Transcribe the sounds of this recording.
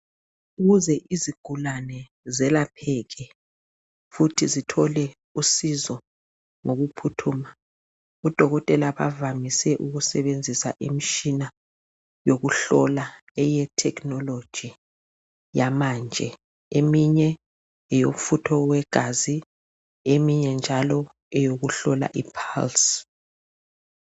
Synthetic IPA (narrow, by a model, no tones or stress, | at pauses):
uɣuzɛʔiziɡ̥ʱulanɛ | zɛlapʰɛɣɛ | futʰizitʰɔlɛ | usizɔ | ŋoɣupʰutʰuːma | ud̥ʱɔɣɔtʼɛlaβa̰vamisɛʔuɣusɛβend͡zʱisa̰ʔimit͡ʃina | joɣuɬɔla | ɛjɛtʰɛknɔlod̥ʒ̥ʱi | jamand͡ʒʱɛ | emiɲɛ | ɛjom̩futʰɔwɛɡ̥ʱazi | emiɲɛnd͡ʒʱalɔ | ɛjoɣuɬɔla̰ʔipʰals